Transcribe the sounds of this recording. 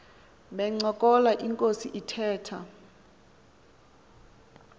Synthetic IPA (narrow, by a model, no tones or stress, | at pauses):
ɓɛŋ͡ǀɔkʼɔlaʔiŋkʼosiʔitʰɛːtʰa